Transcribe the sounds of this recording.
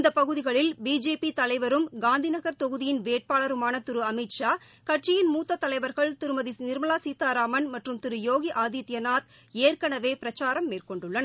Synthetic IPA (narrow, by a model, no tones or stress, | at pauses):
nd̪ɐpɐɣɯðɪɣɐɭɪlbiːd͡ʒeːpit̪ɐlɐɪʋɐɾɯmɡaːnd̪ʱinɐɣɐɾt̪ɔɣɯðɪjɪnʋeːʈ̚paːɭɐɾɯmaːnɐt̪ːɪɾɯɐmɪʈʂaː | kɐʈt͡ʃɪjɪnmuːt̪ːɐt̪ːɐlɐɪʋɐɾɣɐɭt̪ɪɾɯmɐðinɪɾmɐlaːsiːt̪aːɾaːmɐnmɐʈrɯmt̪ɪɾɯjoːɣiʔaːðiːt̪jɐnaːt̪ | eːrkɐɳɐʋeːpɪɾɐt͡ʃːaːɾɐmːeːrkɔɳɖɯɭːɐnɐ